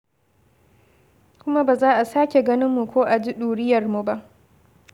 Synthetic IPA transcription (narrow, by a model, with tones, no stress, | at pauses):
kʷʊ˦ma˦baː˨zaː˦ʔa˨saː˦kʲe˨ɡɐ˦nɪ˦mːu˨kʷoː˦ʔa˨d͡ʒi˦ɗuː˨ɽɪ˦jɐ˨rmu˨ba˦ʔ